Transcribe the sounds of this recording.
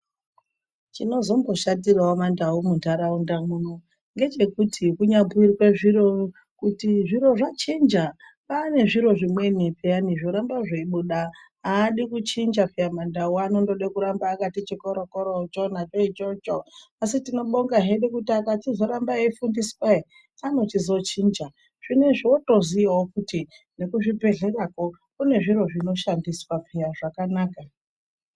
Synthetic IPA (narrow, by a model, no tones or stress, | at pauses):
t͡ʃino̞zo̞mbo̞ʃadiraomandaumundaɾaundamuːno | ŋɡe̞t͡ʃe̞kutʰikuɲapirweʐiɾo̞ | kutiʐiɾo̞ʐat͡ʃind͡ʒa | pane̞ʐiɾo̞ʐimwe̞nipeaniʐoɾambaʐeiɓuɗa | aːɗikut͡ʃind͡ʒafijamandauano̞ndoɗekuɾambaːkatit͡ʃikoɾokoɾot͡ʃo̞nat͡ʃoit͡ʃot͡ʃoasitino̞ɓoŋɡaɦeɗekutiakatizo̞ɾambaefundiswai | ano̞t͡ʃizo̞t͡ʃiːnd͡ʒa | ʐ̥ine̞ʐioto̞ziʋawokuti | ne̞kuʐipe̞ɮe̞rako̞ | kune̞ʐiɾo̞ʐino̞ʃandiswap͡fijaʐakanaːka